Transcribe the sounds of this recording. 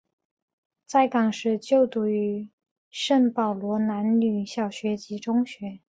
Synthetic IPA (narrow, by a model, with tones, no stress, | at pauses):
t͡sa˥˩ɪkɑ˨˩ŋʂɻ̩˥˧t͡ɕjo˥˧ʊt̪u˨˩y˧˥ | ʂə˥˩npɑ˨˩ʊlwɔ˧˥na˧˥nny˨˩ɕjɑ˨˩ʊɕɥɛ˧˥t͡ɕi˧˥ʈ͡ʂʊ˥ŋɕɥɛ˧˥